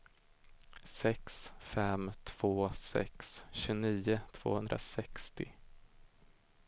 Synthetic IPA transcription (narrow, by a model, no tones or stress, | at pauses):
sɛksfɛmt̪ʰv̥oːsɛ̰ksɕɵniːʊt̪ʰv̥o̰ːhɵnd̪ɾa̰sɛkst̪ɪ